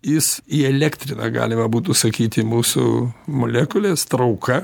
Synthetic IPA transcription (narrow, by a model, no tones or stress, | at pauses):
jɪsiːɛlʲæːkt̪ʲɾʲɪnɐ̰ːɡɑ̰ːlʲɪmɐbuːt̪usɐkʲiːt̪ʲɪmuːsʊ̰molʲæːkʊlʲeːst̪ɾɐʊkʰɐ